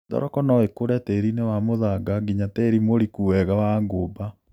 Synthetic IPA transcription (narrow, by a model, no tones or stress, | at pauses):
dɔ̰ɾɔkɔnɔwekoɾɛteɾinewamoðaɡaɡiɲatɛɾimoɾikuwɛɣawaŋɡoːba